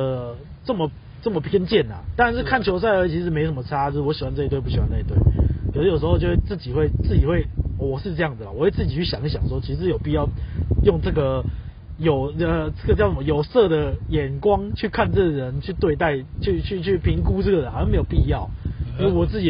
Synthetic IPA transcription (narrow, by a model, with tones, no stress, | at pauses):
ə˩ | t͡sə˥˩mə˨˩ | t͡sə˥˩mə˩pʰjɛ˥nt͡ɕjɛ˥˩na̰˨˩t̪a˥ɻa˧nʂ̬̩˥˧kʰa˥˩nt͡ɕʰjo˧˥ʊs̬a˥˩ɪə˧˥t͡ɕʰi˧˥ʂɻ̩˧˥m˧˥jʂə˥mə˧ʈ͡ʂʰa˥jo˥ʂ̩˥˩wɔ˧˥ɕi˨wa˦nt͡sə˥˧˩t̪wɪpu˥˩i˨˩wa˦nt͡sə˥˩i˧t̪we˥˩ɪkʰə˨˩o˥jo˨˩ʂ̬ɻ̩˧˥o˥˧˩t͡ɕjo˥˧wt͡sɹ̩˥˩t͡ɕi˨˩xwe˥˧ɪt͡sɹ̩˥˩t͡ɕi˨˩xwe˥˩ɪ˩wɔ˨˩ʂɻ̩˥˧ʈ͡ʂɤ˥˧jɑ˥˩ŋd͡z̩˩la̰˨˩wɔ˨˦wɪt͡sɹ̩˥˩t͡ɕi˨˩t͡ɕʰy˥˩ɕjɑ̰˨˦ŋi˥˩ɕ̬jɑ̰˨˩ŋʂwɔ˥t͡ɕʰi˧˥ʂʂɻ̩˧˥jo˨˩ʊpi˨˩t͡ɕɑ˥˧ʊjo˥˧ŋʈ͡ʂə˥˩ɡə˩ | jo˨˩ʊə˧˩t͡sə˥˩ɡə˩t͡ɕjʊt͡sə˩mə˧jo˨˩ʊsɤ˥˨d̪ə˩jɛ˨˩nkwɑ˦ŋt͡ɕʰy˥˧kʰa˥˧nt͡sə˥˩ɡə˩ɻə˧˦nt͡ɕʰy˥˧t̪we˥˧ɪt̪a˥˩ɪt͡ɕʰy˥˧t͡ɕʰy˥˧t͡ɕʰy˥˩pʰi˧˥ŋku˦ʈ͡ʂɤ˥˩ɡə˩ɻə˧˦nxa˧˥˧me˧˥ɪjo˨˩pi˥˧jɑ˥˨˩ʊ˥˩wɔ˨˩t͡sɹ̩˥˩t͡ɕi˨˩